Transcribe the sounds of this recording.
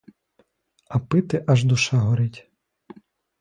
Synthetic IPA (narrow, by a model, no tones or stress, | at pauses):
ɐpɪt̪ɪʔɐʒd̪ʊʃɑɦɔɾɪtʲ